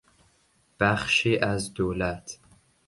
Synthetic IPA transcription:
b̥æχʃiʔæzd̪owlatʰ

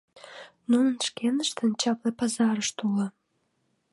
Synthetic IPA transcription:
nunənʃkenəʃt̪ənt͡ɕɑplepɑzɑɾəʃt̪ulə̆

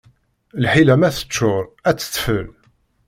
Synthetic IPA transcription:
lħilæmæθə̥t͡ʃːʊɾˤæt͡sːə̥t̪ːfəl

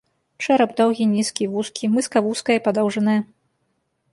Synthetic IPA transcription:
t͡ʂɛɾɐbd̪ɔwɣʲinʲiskʲivuskʲʰimɨskɐvuskɐjɛpad̪ɔwʐɐnɨjɛ

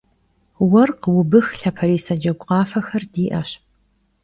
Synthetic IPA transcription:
wɐrqəwʊbɨxɬɐpʰɐɾiːsɐd͡ʒɐɡʷʼqɑːfɐxɐrdiːʔɐ̰ɕp

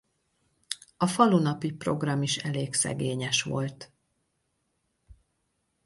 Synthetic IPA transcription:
ɒfɒlunɒpipro̞̰ɡrɒmiʃɛleːɡsɛ̰ɡeːɲɛʃʋo̞̰lt̪

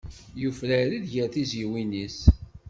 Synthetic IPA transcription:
jufləɾiðʝəɾθiziwinis

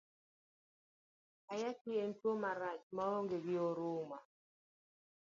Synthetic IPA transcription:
ajakɪentwomaɾat͡ʃmaoŋɡeɡɪoɾʊma

